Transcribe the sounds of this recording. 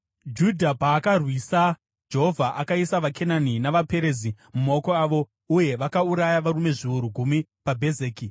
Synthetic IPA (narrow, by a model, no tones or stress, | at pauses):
d͡ʒudʱapaːkarwisa | d͡ʒe̞ɦo̞vʱaʔakaisaʋakʰe̞naninaʋape̞ɾe̞zi | mumaoko̞aʋo̞ | uje̞ʋakauɾajaʋaɾume̞ʐiuɾuɡʱumipabʱe̞zeːki